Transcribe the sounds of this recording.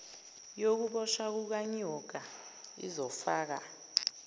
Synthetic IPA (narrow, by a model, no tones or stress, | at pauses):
jok̬uɓɔʃak̬uk̬aɲɔɡ̥ʱaḭzɔfaːk̬a